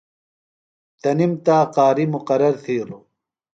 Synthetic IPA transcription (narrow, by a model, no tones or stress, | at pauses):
t̪ɐnimt̪aːqaːɾimuqɐɾɐɾt̪ʰiːɾo